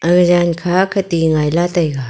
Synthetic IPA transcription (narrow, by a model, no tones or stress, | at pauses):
ɐŋd͡ʒaːnkʰaːkʰɐt̪iːŋaːjlaːt̪ɐjɡa